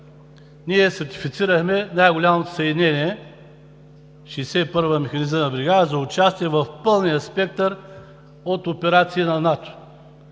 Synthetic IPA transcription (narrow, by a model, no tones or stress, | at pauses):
niɛsɐɾt̪i̥fit̪siɾəxmɛnajɡʊlʲamot̪o̥sɐd̪ʲnɛniɛ | ʃisɛpɤɾvəmɛxɐnizmənɐbɾiɡaəzɐʊt͡ʃast̪iɛvəfpɤlˠnijɐspɛk̚t̪əɾ | ot̪opɛɾat̪siənɐnat̪o̥